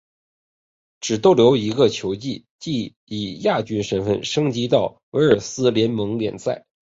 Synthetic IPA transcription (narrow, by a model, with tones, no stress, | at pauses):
ʈ͡ʂɻ̩˨˩t̪o˥ʊljo˧˥ʊi˧˥ɡə˧t͡ɕʰjo˧˥ʊt͡ɕi˥˩ | t͡ɕi˥˩ | i˨˩ja˥˩t͡ɕy˥nʂə˧˥nfə̰˥˩nʂɤ˥ŋt͡ɕi˧˥t̪ɑ˥˩ʊ | we˧˥ɪə˞˨˩sɹ̩˥ljɛ˧˥nmɤ˧˥ŋljɛ̰˨˩nsa̰˥˩ɪ